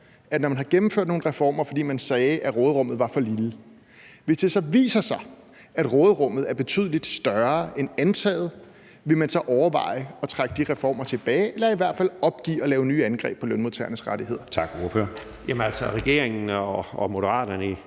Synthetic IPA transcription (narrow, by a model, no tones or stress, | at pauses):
æd̥nɒmænɦhɑ̈ɡ̥emm̩fø̰ɐd̥no̝ːn̩ʁɛfɒ̰ːmɐfɒ̽dḭːmænsɛːʔæʁɔ̽ːð̩ˠʁɔ̽mð̩ˠʋɑ̈fɒ̽lilə | ʋe̝sd̥e̝sɒ̽ʋḭːsɐsɑ̈ɪ | æd̥ʁɔ̽ːð̞̩ˠʁɔ̽m̰ð̩ˠæɐb̥e̝t͡sʰy̰ːðˠlid̥sd̥ɶɐʔenænt͡sʰɛ̰ːð̩ˠ | ʋe̝mænsɒ̽ʔɒʊɐʋɑ̰̈ɪ̰ɒ̽t͡sʰʁaɡ̥əd̥iʁɛfɒ̰ːmɐt͡sʰe̝b̥ɛːelɐiʋæɐ̰d̥fæl̰ɒ̽b̥ɡ̥ḭːɒ̽lɛːʊnyːænɡ̥ʁɛ̰ːb̥pʰɒ̽lønmuð̩ˠt͡sʰɛ̰ːɐnəsʁaɾ̥iɦe̝ð̞̰ˠɐt͡sʰɑ̈ɡ̥oføɐ | jæmnæl̰sɒʁɛɡ̥e̝ɐeŋn̩ɒɒmo̝d̥əʁɑ̰̈ːd̥ɐnəi